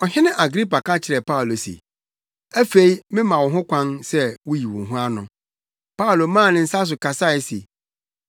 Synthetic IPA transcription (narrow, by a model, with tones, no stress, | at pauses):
ɔ˨ɦɪ̃˦nɪ̃˦ʔa˨ɡɾi˦pa˨kʰã˦t͡ɕʰɪ˨ɾɛ˨pʰa˦ʊ˨lo˨sḛ˨ | æ˦fe˦i˦mɪ̃˦mã˨wɔ̃˨ɦʊ̃˦kʷʰã˦nsɛ˦wʊ˦ji˨wʊ̰̃˨ɦũ˦a˦nʊ̃˨ | pa˦ʊ˨lo˨mãː˦˨nɪ̃˦˨n̩˦sa˦s̬ʊ˨kʰa˨sa˦˨ɛ˦sḛ˨